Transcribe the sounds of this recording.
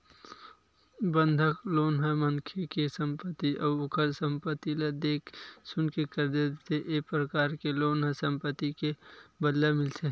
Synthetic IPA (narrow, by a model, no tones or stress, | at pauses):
bə̃nd̪ʱəkloːnɦəmɐŋkʰekesə̃mpət̪ːiʔɔːʊkʰəɾsə̃mpət̪ːilɐd̪eːkʰsʊnkekəɾd̪ed̪t̪ʰeʔepɾəkaːɾkeloːnɦɐsɐ̃mpət̪ːikebədllamɪlse